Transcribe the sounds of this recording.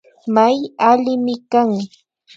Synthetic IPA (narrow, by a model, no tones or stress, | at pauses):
majalɪmɪkaŋ